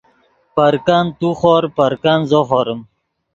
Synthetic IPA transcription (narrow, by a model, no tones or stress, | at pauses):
pɐɾkant̪uχoɾpɐɾkanzoχoɾəm